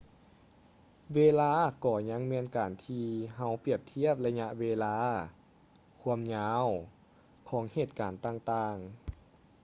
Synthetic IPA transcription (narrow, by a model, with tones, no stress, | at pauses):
weː˧laː˧˥˨kɔː˧˩ɲa˧˥ŋmɛː˧˥˨nkaː˨˩nt̪ʰiː˧ɦa˧˥˩wpi˧˩əp̚t̪ʰi˧˥˩əp̚la˧ɲa˧ʔweː˧laː˧˥ | kʰu˧˥əmɲaː˧˥w | kʰɔː˩˦ŋheː˧˩t̪̚kaː˨˩nt̪aː˧˩ŋt̪aː˧˩ŋ